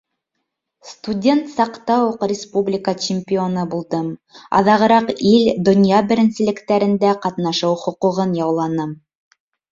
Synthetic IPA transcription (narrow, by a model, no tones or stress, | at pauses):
st̪udʲe̞nt̪sɑqt̪ɑwuqrʲɪspublʲɪkət͡ɕɪmʲpʲɪonɤbulˠd̪ɤmɑ̰ðɑʁɤ̆ɾɑqild̪ŏnjɑbɘ̆ɾɘ̆nsɘ̆lɘ̆kt̪æɾɘ̆nd̪æqɑt̪nɑʃɤwχŏquʁɤnjɑwlˠɑnɤm